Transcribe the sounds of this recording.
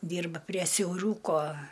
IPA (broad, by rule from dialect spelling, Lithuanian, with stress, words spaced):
ˈdʲiːrbɐ pʲrʲiɛ sʲɛʊˈruːkoː